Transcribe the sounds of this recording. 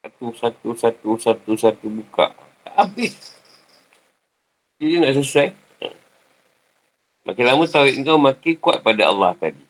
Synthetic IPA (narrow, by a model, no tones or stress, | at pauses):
sat̪usat̪usat̪usat̪usat̪ubuka̰ʔ | t̪aʔabɪs | d͡ʒidinaʔs̬usaj | ə̰ | mʔa̰kilamut̪awɪʔŋkawmakikuat̪̚padaa̰lːaht̪adi